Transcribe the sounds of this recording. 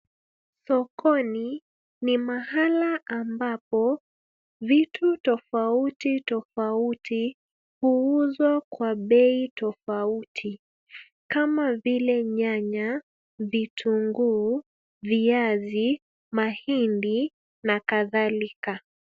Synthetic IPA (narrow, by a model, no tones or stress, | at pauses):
sɔkʰɔni | nimahalaʔambapɔ | vitʰutɔfautitɔfautʰi | huuzwakwaɓɛitɔfautʰi | kamavilɛɲaɲa | vitʰuŋɡuː | viazi | mahindi | nakaðalika